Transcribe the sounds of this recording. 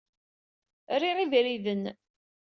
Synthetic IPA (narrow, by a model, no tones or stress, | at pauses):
riʁivɾiðən